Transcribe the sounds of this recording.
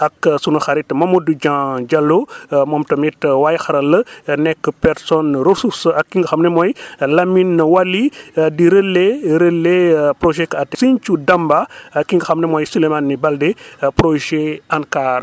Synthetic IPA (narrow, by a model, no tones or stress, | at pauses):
ʔɐksunuxaɾitmɐmodud͡ʒãd͡ʒalːomɔmtɐmitwajxɐɾɐlːənɛkːəpɛɾsɔnɾosusɐkːiŋɡəxɐmnɛmɔjlɐminwalːidiɾəlːeɾəlːepɾoʒɛkɐatːsiɲt͡ʃudɐmbakːiŋɡɐxɐmnemɔːjsulemanːibɐldepɾoʒeankaːr